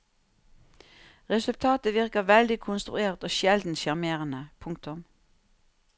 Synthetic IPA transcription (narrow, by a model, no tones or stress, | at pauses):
ʁɛsʉlt̪ʰɑːt̪əʋɪʁkəʋɛld̪ɪkʰʊnst̪ʁʉeːʁt̪oːʃɛld̪n̩ʃæʁmeːʁənəpʰʊŋkt̪ʊm